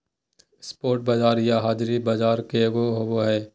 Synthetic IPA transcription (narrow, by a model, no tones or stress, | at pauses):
spoːɾʈ̚bɐd͡ʒaːɾjaɦaːd͡ʒɾibad͡ʒaːɾkeɡoɦoboɦɛː